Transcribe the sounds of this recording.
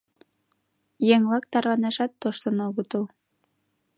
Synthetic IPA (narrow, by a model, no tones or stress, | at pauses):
jeŋlɑk̚t̪ɑɾlɑneʃɑt̪ːoʃt̪ə̆noɣut̪ul